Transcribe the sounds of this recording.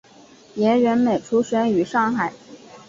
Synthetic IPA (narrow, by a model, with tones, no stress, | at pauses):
jɛ˧˥ɥɛ˧˥nme˨˩ɪʈ͡ʂʰu˧˥ɕɥɛ˧˥ny˨˩ʂɑ˥˩ŋxa˨˩˦ɪ